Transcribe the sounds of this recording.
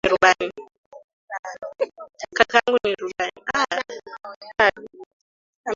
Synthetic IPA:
iɾubani | kakaŋɡuniɾubania | a

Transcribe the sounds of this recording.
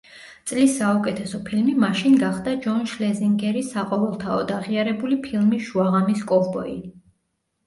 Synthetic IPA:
t̪sʼlisːaukʼɛt̪ʰɛsɔpʰilmimaʃinɡaχd̪ad͡ʒɔnʃlɛziŋɡɛɾisaqʼɔvɛlˠt̪ʰaɔd̪aʁiaɾɛbulipʰilˠmisʃuaʁamiskʼɔvbɔi

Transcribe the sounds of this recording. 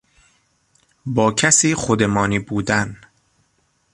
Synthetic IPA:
bɒːcʰæsiːxod̪emɒːniːbuːd̪æn

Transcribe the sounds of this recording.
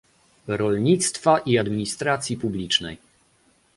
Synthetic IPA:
ɾɔlɲit̪st̪faʔiad̪mʲiɲist̪ɾat̪sʲjipublʲit͡ʂnɛ̰j

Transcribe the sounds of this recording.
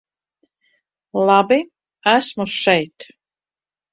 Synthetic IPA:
lˠabi | æsmuʃɛjt̪

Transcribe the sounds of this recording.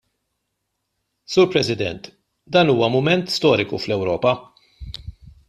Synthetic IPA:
suːɾpɾɛsɪd̪ɛ̰nt̪ | d̪ɐːnuːwɐmʊmɛnt̪st̪ɔːɾɪkuflɛwɾɔːpɐ

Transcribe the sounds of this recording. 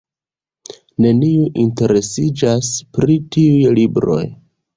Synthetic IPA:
ne̞niuʔinte̞ɾe̞sid͡ʒaspɾitiujlibɾo̞̰j

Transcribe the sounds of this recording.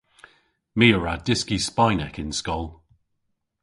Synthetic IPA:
miːəɹadɪskispajnɛkɪ̃nskɔlˠ

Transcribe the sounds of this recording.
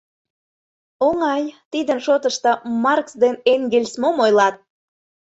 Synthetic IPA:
oŋɑjt̪id̪ənʃot̪əʃt̪ɤ̆mɑrksd̪eneŋɡelʲsmomojlɑt̪̚

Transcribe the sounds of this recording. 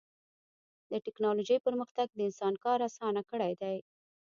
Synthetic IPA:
d̪əʈɪknɑloʒəjpəɾməxt̪aɡ̚d̪əɪnsɑnkɑɾasɑnakəɽajd̪aj

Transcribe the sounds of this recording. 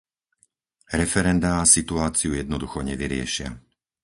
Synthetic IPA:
ɾɛfɛɾɛnd̪aːsit̪uaːt͡siujɛd̪nɔd̪uxɔɲɛʋiɾɪɛ̰ʃɪa̰

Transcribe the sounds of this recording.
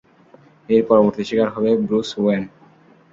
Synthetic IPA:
eɾpɔɾoboɾt̪iʃikaɾɦɔbebɾuswen

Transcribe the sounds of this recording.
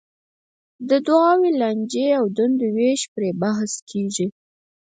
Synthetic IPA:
d̪əd̪wɑweland͡ʒeawd̪and̪oweʃpɾebaɦskʰeʒi

